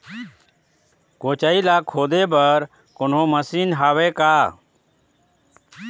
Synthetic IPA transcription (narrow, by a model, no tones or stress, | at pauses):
koːt͡ʃaːiːlaːkʰoːd̪eːbəɾ | kʊnɦõːməsiːnɦaːʋeːkaː